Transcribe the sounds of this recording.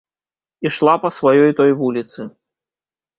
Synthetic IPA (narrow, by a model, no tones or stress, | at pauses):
iʂlˠapɐsvajɔjt̪ɔjvulʲit̪sɨ